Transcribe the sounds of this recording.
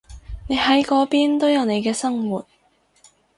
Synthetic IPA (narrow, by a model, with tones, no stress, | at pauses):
ne˨˧jhɐ˨˥jkɔː˨˥piː˥nt̪o˥wjɐ˨˧wne˨˧jkɛː˧sɐ˥ŋwuː˨t̚